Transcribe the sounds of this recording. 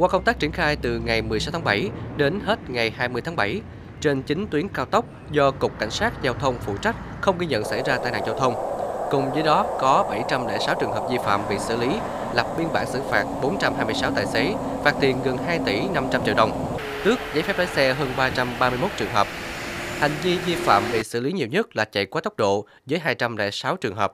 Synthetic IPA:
kwaː˧kə˧wŋ͡mt̪aː˦˥k̚t͡ɕi˧˩ənxaː˧jt̪ɨ˨˩ŋa˨˩jmɨ˨˩əsa˨˦wt̪ʰaː˨˦˥ɓa˧˩jɗe˨˦nhe˦˥t̚ŋa˨˩jhaː˧jmɨ˧əjt̪ʰːɓa˧˩j | t͡ɕe˧nt͡ɕï˨˦ŋt̪wi˨˦ənkaː˧wt̪ə˦˥k͡p̚zɔ˧kʊ˨˩k͡p̚kːa̰˧˩jŋ̟saː˦˥t̚zaː˧wt̪ʰə˧wŋ͡mfṵ˧˨t͡ɕa˦˥k̟̚ | xə˧wŋ͡mɣi˧jɲə̰˧˨nsa̰˧˩jzaː˧t̪aː˧˨jna̰ː˧˩ŋzaː˧wt̪ʰə˧wŋ͡mkʊ˨˩ŋ͡mzəː˨˦jɗɔ˨˦kɔ˨˦ɓa˧˩jt͡ɕa˧mlɛ̰˧˩saː˨˦wt͡ɕɨ˨˩əŋɦəː˨˩p̚zi˧fa̰ː˧˨mɓḭ˧˨sɨ̰˧˩li˨˦ | la˨˩p̚ɓi˧ənɓa̰ː˧˩ŋsɨ̰˧˩faː˨˩t̚ɓo˨˦nt͡ɕa˧mhaː˧jmɨ˧əsaː˨˦wt̪aː˨˩jse˨˦ | faː˨˩k̚t̪ḭ˨˩ənɣə˨˩nhaː˧jt̪i˧˩na˧mt͡ɕa˧mt͡ɕḭ˧˩wɗə˨˩wŋ͡m | t̪ɨ˦˥ək̚zaː˧˦jfɛ˦˥p̚laː˨˦jsɛ˧ɦəː˧nɓaː˧t͡ɕa˧mɓaː˧mɨ˧jmo˦˥t̚t͡ɕɨ˨˩əŋɦəː˨˩p̚ha̰˨˩jŋ̟vi˧zi˧fa̰ː˧˨mɓḭ˧˨sɨ̰˧˩li˨˦ɲi˨˩əwɲə˦˥t̚laː˨˩t͡ɕa̰˧˨jkwaː˨˦t̪ə˦˥k͡p̚ɗo̰˧˨ | zəː˨˦jɦaː˧jt͡ɕa˧mlɛ̰˧˥sa˨˦wt͡ɕɨ˨˩əŋɦəː˨˩p̚

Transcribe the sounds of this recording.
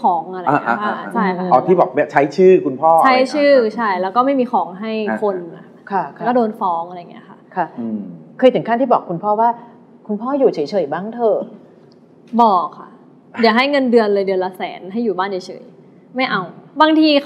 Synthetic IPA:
kʰɔː˩˦ŋa˧ɾa˧a˧˩˦ʔʰa˧˩t͡ɕʰa˥˩˧ʔɔː˧˩iː˥˩bɔː˨˩k̚m˦˥˩t͡ɕʰa˦˥jt͡ɕʰɯː˥˩kʰu˧npʰɔː˥˩a˦˥jt͡ɕʰɯː˥˩t͡ɕʰa˥˩jlɛː˦˥wkɔː˥˩ma˥˩jmiː˧xʰɔː˩˦ŋɦa˥˩jkʰo˧na˨˩ | kʰa˧˥˩kːdoː˧nfɔː˦˥ŋʔa˧ɾjŋi˦˥ɐ˧kʰa˥˩kʰa˧˩˧kʰɤː˧jt̪ʰɯ˩˦ŋkaː˥˩nt̪iː˥˩bɔː˨˩kʰːu˧npʰɔː˥˩waː˥˩ | kʰu˧npʰɔː˥˩juː˨˩t͡ɕʰɤː˩˦jt͡ɕʰɤː˨˩jbaː˥˩ŋt̪ʰɤː˧ | bɔː˨˩kʰːa̰˥˩ | di˨˦˩ɦa˥˩jŋɤ˧ndɯ˧ənlɤː˧jdɯ˧ənlaː˧sɛː˩˦nɦa˥˩jːuː˨˩baː˥˩nt͡ɕa˨˩t͡ɕʰɤ̰ː˩˦j | ma˥˩jʔa˧wbaː˧ŋt̪ʰiː˧

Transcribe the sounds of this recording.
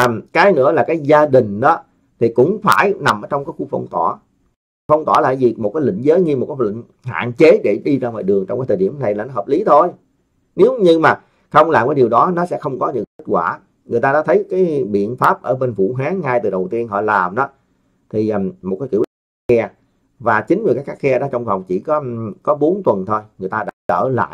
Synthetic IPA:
a˨˩kaː˨˦jnɨ̰˧˥əlaː˨˩kaː˨˦jzaː˧ɗï˨˩ŋ̟ɗɔ˨˦ | t̪ʰi˨˩kʊ̰˧˥ŋ͡mfaː˧˩jna˨˩mʔəː˧˦t͡ɕɔ˧wŋ͡mkaː˨˦jxu˧˥fə̰˧wŋ͡mt̪wɔ˧˩ | fə˧wŋ͡mt̪wɔ˧˩la̰ː˧˨˩jzi˨˩mo˨˩t̚kaː˨˦lḭ˧˨ŋ̟zəː˨˦jɲi˧mo˨˩kaː˨˦jlḭ˧˨ŋ̟ | ɦa̰ː˧˨nt͡ɕe˨˦ɗe˧˩ɗi˧vaː˧wmɔ̰ː˨jɗɨ˨˩əŋt͡ɕɔ˧ŋ͡mkaː˨˦jt̪ʰːɗi˧˩əmna˨˩jlaː˨˩nɔ˨˦ɦəː˨˩p̚li˨˦t̪ʰo˧j | ne˨˦wɲɨ˧maː˨˩ | xə˧wŋ͡mlaː˨˩mkaː˨˦jɗi˨˩əwɗɔ˨˦nɔ˨˦sɛ̰˧˥xə˧wŋ͡mkɔ˨˦ɲɨ̰˧˥kːkt̚kwaː˧˩ | ŋɨ˨˩əjt̪aː˧ɗa̰ː˧˥t̪ʰjkaː˨˦jɓḭ˧˨ənfaː˦˥p̚ʔəː˧˩ɓe˧nfṵ˧˩ɦaː˨˦ŋːaː˧jt̪ɨ˨˩ɗə˨˩wt̪i˧ənɦɔ̰˧˨laː˨˩mɗɔ˨˦ | t̪ʰi˨˩ʔmo˨˩kaː˨˦jkḭ˧˥əʔi˧˦a˦˥k̚xɛ˧ | vaː˨˩t͡ɕï˨˦ŋ̟ɨ˨˩kaː˨˦˥kxaː˦˥k̚xɛ˧ɗɔ˨˦t͡ɕwŋ͡mva˨˩wŋ͡mt͡ɕi˧˩kɔ˨˦kɔ˨˦ɓo˨˦nt̪wə˨˩nt̪ʰo˧jŋɨ˨˩əjt̪aː˧ɗa̰ː˧˥t͡ɕəː˧˩la̰ː˧˨j

